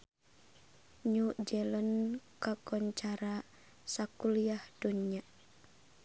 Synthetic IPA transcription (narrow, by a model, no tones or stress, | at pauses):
ɲuʔd͡ʒɛlənkakɔɲt͡ʃaɾa | sakuliahd̥unia